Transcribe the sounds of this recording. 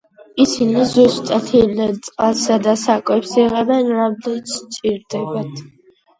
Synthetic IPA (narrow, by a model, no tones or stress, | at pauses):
isinizust̪ʼat̪ʰinɛnt̪sʼqʼasad̪asakʼwɛpsiʁɛbɛnɾamd̪ɛnsʰt͡ʃʼiɾd̪ɛbat̪ʰ